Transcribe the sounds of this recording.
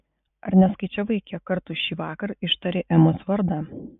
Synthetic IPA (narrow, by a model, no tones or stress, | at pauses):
ɐ̰ɾnʲɛskɐɪt͡ʃʲɛʋɐɪkʲɛkɐɾt̪ʊʃʲiːʋɑːkɐɾɪʃt̪ɐɾʲeːʔɛmʊsʋɐɾd̪ɑ